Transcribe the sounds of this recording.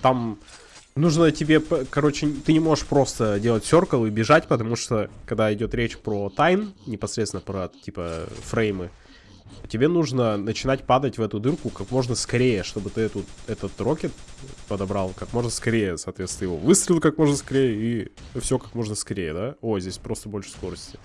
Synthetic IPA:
t̪am | nuʐnətʲɪbʲe̞pkɐɾo̞t͡ɕɪt̪ɨnʲɪmo̞ʐɨ̥ʂpɾo̞st̪ədʲelˠətʲsʲo̞rkəlˠibʲɪʐatʲpət̪ɐmuʂt̪o̞kɐɡd̪aɪdʲo̞t̪ɾʲet͡ɕpɾot̪ajnnʲɪpɐsɾʲet̪sʲɪnəpɾətʲipə̰fɾɛjmɨ | tʲɪbʲe̞nuʐnənət͡ɕɪnat̚ʲpad̪ətʲvɛt̪ʊd̪ɨrkʊkakmo̞ʐnəskɐɾʲejəʂt̪o̞bɨt̪ɨɛt̪ʊɛt̪ət̪ro̞kʲɪt̪pəd̪ɐbɾɑlˠkakmo̞ʐnəskɐɾʲejəsɐːt̪vʲet̪snəjɪvo̞̰vɨst̪ɾʲɪlʲˠkakmo̞ʐnəskɐɾʲejəifsʲokakmo̞ʐnəskɐɾʲejəd̪ao̞jzʲdʲesʲpɾo̞st̪əbo̞lʲʂɨ̥sko̞ɾəsʲtʲɪ̥

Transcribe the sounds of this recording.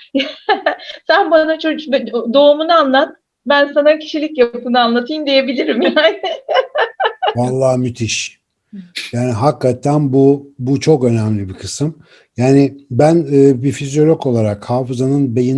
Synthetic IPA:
j | sænbanat͡ʃʰobd̪o̞umunɯanlˠat̪̚ | bænsanacʰi̥ʃilʲicjapɯnɯanlˠat̪ʰɯjnd̪ije̞bilʲiɾimjaːnɪ | valˠːaːmyt̪ʰiʃ | jaːniɦakːat̪ʰːænbubut͡ʃʰo̞kø̞næmlʲibikʰɯsɯm | jaːnɪbænɯːbifizjo̞lʲoko̞lˠaɾakhaːfɯzanɯnbejin

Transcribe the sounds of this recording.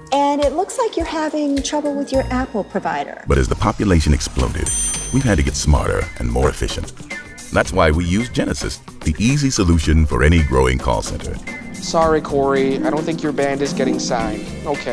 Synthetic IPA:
ɨ̃nɪtˡlʊkslaɪkjə˞hævɪ̃ŋtʰɹ̥ʌbl̩ˠwɪðjə˞ʔæpl̩ˠpʰɹ̥ɨvaɪɾə̰˞b̥ʌɾɨ̰zðəpʰɑpjɨleɪʃɨ̃nɨksplõ̰ʊɾɨ̰d̚wiv̥ɨd̚tɨɡɛtsmɑ̰ɹɾə̰˞ʔɨ̃nmɔ̰ɹɨ̰fɪ̰ʃɨ̃nt | ðætswaɪwijʉzd͡ʒɛnɨsɨ̰s | ðiʔizisəluʃɨ̃nfə̰˞ɛniɡɹoʊɪ̰̃ŋkʰɔ̰lˠsɛ̰̃ntʰə̰˞sɑɹikʰɔɹiaɪdɾõʊ̃nθɪ̃ŋkjə˞bæ̃ndɨzɡɛɾɪ̃ŋsãɪ̃n | oʊkʰeɪ

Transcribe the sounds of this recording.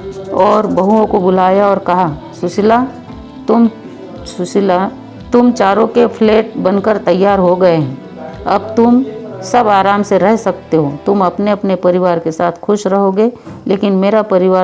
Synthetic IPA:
ɔːɾbɐɦuõkobʊlaːjaɔːɾkɐɦa | sʊʃɪla | t̪ʊm | sʊsɪla | t̪ʊmt͡ʃaːɾõkepʰleːʈ̚bɐnkəɾt̪ɐjːaːɾɦoɡɐeɦɛ̃ | ɐ̰b̚t̪ʊmsɐbaːɾaːmseɾɛɦsɐk̚t̪eɦot̪ʊmɐpneɐpnepɐɾɪʋaːɾkesaːt̪ʰxʊʃɾɐɦoɡeleːkɪnmeːɾapɐɾɪʋaː

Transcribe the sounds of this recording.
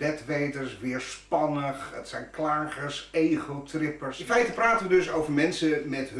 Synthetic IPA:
d̥ɛtʋejdəɹsʋɪːɹspɑnəχətsɛjnklaːχəɹsejχowtrɪpəɹsɪnfɛjtəpraːtənʋədɵsowvəɹmɛnsəmɛtɦ

